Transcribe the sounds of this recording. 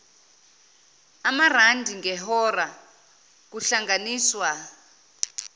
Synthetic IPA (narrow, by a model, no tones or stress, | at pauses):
amar̤andʱiŋɛɦɔra | kuɬaŋɡaniːswa